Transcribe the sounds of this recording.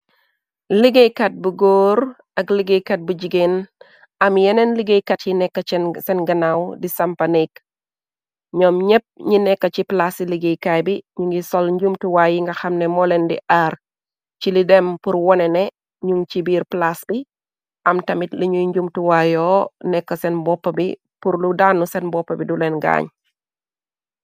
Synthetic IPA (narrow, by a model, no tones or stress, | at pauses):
liɡejkat̚buɡoːɾ | ɐkliɡekat̚buɟiɡen | ɐmjɛnɛnliɡejkatjinɛkːɐsɛnɡɐnawdisɐmpɐnik | ɲɔmɲəp̚ɲinɛkːɐt͡ʃiplasiliɡejkajbiɲuŋɡisɔlɲɟumtuwaːjiŋɡɐxɐmnɛmɔlɛndḭʔaːr | t͡ʃilidɛmpuɾwɔnɛnɛ | ɲuŋt͡ʃibiːɾplasbi | ʔɐmtɐmitliɲujɲɟumtuwajɔːnɛkːɐsɛnbɔpːɐbḭ | puɾludaːnːusɛnbɔpːɐbidulɛnɡa̰ːɲ